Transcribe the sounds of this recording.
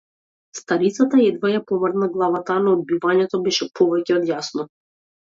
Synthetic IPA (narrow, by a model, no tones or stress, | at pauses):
st̪aɾit̪sat̪aɛd̪vajapɔvrnaɡlˠavat̪anɔːd̪̚bivaɲɛt̪ɔbɛʃɛpʰɔvɛcɛɔd̪jasnɔ